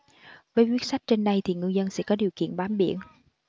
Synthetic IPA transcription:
vəː˨˦jkwi˦˥ət̚sa˦˥jk̚t͡ɕe˧nɗa˧jt̪ʰi˨˩ŋɨ˧əzə˧nsɛ̰˧˥kɔ˨˦ɗi˨˩əwkḭ˧˨ənɓaː˨˦mɓḭ˧˩˨ən

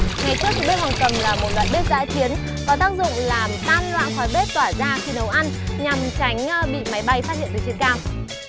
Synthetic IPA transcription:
ŋa˨˩jt͡ɕku˦˥ək̚ɓi˦˥t̚hwaː˨˩nk̪ə˨˩mlaː˨˩mo˨˩t̚lwa̰ː˧˨jɓi˦˥ət̚za̰ː˧˥t͡ɕi˨˦ən | kɔ˨˦t̪aː˦˥k̚zʊ̰˧˨ŋ͡mlaː˨˩mt̪aː˧nlwa̰ː˧˨nxɔ˨˩jɓe˦˥t̚t̪waː˧˩zaː˧xi˧nə˨˦wʔa˧nɲa˨˩m˨˩t͡ɕa˨˦jŋ̟ɓḭ˧˨ma˨˦jɓa˧jfaː˦˥hḭ˧˨nt̪ɨ˨˩t͡ɕi˨˩ənkaː˧w

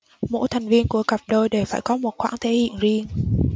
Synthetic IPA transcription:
mo̰˧˥jt̪ʰa˨˩ŋ̟vi˧ənku˧˩əkə˨˩p̚ɗo˧jɗe˧˩wfaː˧˩jkɔ˨˦mo˨˩t̚xwaː˧˥˩ŋt̪ʰe˧˩hḭ˧˨ənzi˧ən

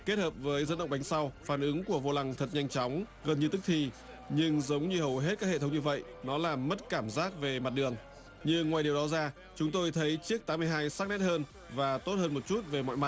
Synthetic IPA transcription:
ke˦˥t̚həː˨˩p̚vəː˨˦jzə˧˥nɗə̰˧˨wŋ͡mɓa˨˦jŋ̟sa˧wfaː˧˩nʔɨ˨˦ŋku˧˩əvo˧la˧˩ŋt̪ʰə˨˩t̚ɲa˧jŋ̟t͡ɕɔ˨˦wŋ͡m | ɣə˨˩nɲɨ˧t̪ɨ˦˥k̚t̪ʰi˨˩ | ɲɨ˧ŋzə˨˦wŋ͡mɲɨ˧hə˨˩wɦe˦˥t̚kaː˦˥k̚hḛ˧˨t̪ʰə˨˦wŋ͡mɲɨ˧və̰˧˨j | nɔ˨˦laː˨˩mːə˦˥t̚kaː˧˩mzaː˦˥k̚ve˨˩ma˨˩t̚ɗɨ˨˩əŋ | ɲɨ˧ŋwaː˨˩jɗi˨˩wɗɔ˨˦zaː˧ | t͡ɕʊ˨˦ŋ͡mt̪o˧jt̪ʰə˨˦jt͡ɕi˦˥ək̚t̪aː˨˦mːɨ˧əjɦaː˧jsaː˦˥k̚nɛ˦˥t̚həː˧n | vaː˨˩t̪o˦˥t̚həː˧nmo˨˩t̚t͡ɕu˦˥t̚ve˨˩mɔ̰˧˨jma˨˩t̚

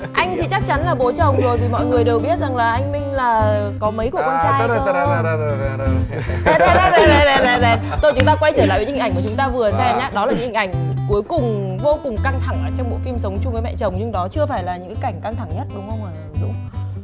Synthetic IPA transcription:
ʔa˧jŋ̟t̪ʰi˨˩t͡ɕa˦˥k̚t͡ɕa˨˦nlaː˨˩ɓo˨˦t͡ɕə˧˨˩wŋ͡mzo˨˩jt̪ʰi˨˩mɔ̰˧˨jŋɨ˨˩əjɗe˨˩wɓi˦˥ət̚za˨˩ŋlaː˨˩ʔa˧jŋ̟mï˧ŋ̟laː˨˩kɔ˨˦mə˨˦jku˧˩əkwaː˧t͡ɕaː˧j | ɛ˨˧˦ɗɛ˨˧ɗɛ˧˦ɗɛ˨˧ɗɛ˨˧ɗɛ˨˦ɗɛ˨˧˦ | t̪o˧jt͡ɕʊ˨˦ŋ͡mt̪aː˧kwa˧jt͡ɕəː˧˩la̰ː˧˨˦ŋkʊ˨˦ŋ͡mt̪aː˧vɨ˨˩əsɛ˧mɲaː˨˦ɗɔ˨˦laː˨˩ɲɨ̰˧˥hi˨˩ʔa˨˩ŋ̟ku˨˦jkʊ˨˩ŋ͡mvo˧kʊ˨˩ŋ͡mka˧ŋt̪ʰa˧˩ŋʔəː˨˩t͡ɕɔ˧wŋ͡mɓo̰˧˨jfi˧msə˨˦wŋ͡mt͡ɕʊ˧ŋ͡mkəː˨˦mɛ̰˧˨t͡ɕə˨˩wŋ͡mɲɨ˧ŋɗɔ˨˦t͡ɕɨ˧əfaː˧˩jlaː˨˩ɲɨ̰˧˥ŋkaː˨˦ka˧˩ŋ̟ka˧ŋt̪ʰa˧˩ŋɲə˦˥t̚ɗʊ˨˦ŋ͡mxə˧wŋ͡məː˨˩ | ɗʊ˨˦ŋ͡m

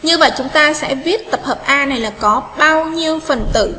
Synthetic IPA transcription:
ɲɨ˧və̰˧˨jt͡ɕʊ˨˦ŋ͡mt̪aː˧sɛ̰˧˥vi˦˥ət̚t̪ə˨˩p̚həː˨˩p̚ʔaː˧na˨˩jlaː˨˩kɔ˨˦ɓaː˧wɲi˧əwfə˨˩nt̪ɨ̰˧˨

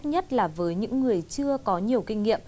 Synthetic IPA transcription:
t̚ɲə˦˥t̚laː˨˩vəː˨˦jɲɨ̰˧˥ŋːɨ˨˩əjt͡ɕɨ˧əkɔ˨˦ɲi˨˩əwkï˧ŋ̟ŋḭ˧˨əmm

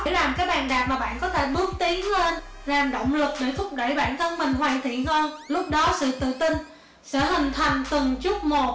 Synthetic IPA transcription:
laː˨˩mkaː˨˦jɓaː˨˩nɗaː˨˩p̚maː˨˩ɓa̰ː˧˨nkɔ˨˦t̪ʰe˧˩ɓɨ˨˦˥əŋ̚t̪i˨˦əŋle˧n | laː˨˩mɗo̰˧˨wŋ͡mlɨ˨˩k̚ɗe˧˩t̪ʰʊ˦˥k͡p̚ɗə˧˩jɓaː˧˩nt̪ʰə˧nmï˨˩ŋ̟ɦwaː˧˨jt̪ʰḭ˧˨ənhə˧jlʊ˦˥k͡p̚ɗɔ˨˦sɨ̰˧˨t̪ɨ̰˧˨t̪ï˧ŋ | sɛ̰˧˥ɦï˨˩ŋ̟t̪ʰa˨˩ŋ̟t̪ɨ˨˩ŋt͡ɕʊ˦˥k͡p̚mo˨˩t̚

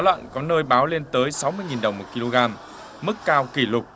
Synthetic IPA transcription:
lwa̰ː˧˨nkɔ˨˦nəː˧jɓaː˨˦wle˧nt̪əː˨˦jsa˨˦wmɨ˧əjŋi˨˩nɗə˨˩wŋ͡mmo˨˩t̚ki˧lo˧ɣaː˧m | mɨ˦˥kːaː˧wki˧˩lʊ˨˩k͡p̚

